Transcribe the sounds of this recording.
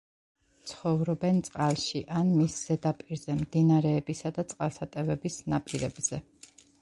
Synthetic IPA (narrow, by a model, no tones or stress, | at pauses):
t̪sʰχɔvɾɔbɛnt̪sʼqʼalˠʃiʔanmisz̥ɛd̪apʼiɾzɛmd̪inaɾɛːbisad̪at̪sʼqʼalˠsat̪ʼɛvɛbisnapʼiɾɛbz̥ɛ